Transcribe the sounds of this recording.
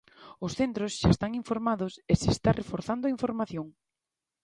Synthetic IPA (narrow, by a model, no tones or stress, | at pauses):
ʊsθent̪ɾʊsʃaest̪aŋiɱfoɾmaðʊsesest̪arefoɾθand̪ʊaiɱfoɾmaθjoŋ